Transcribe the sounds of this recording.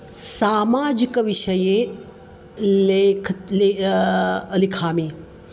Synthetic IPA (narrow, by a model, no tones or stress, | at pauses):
saːmaːd͡ʒikɐʋiʃɐje | lekʰe | ɐlikʰaːmiː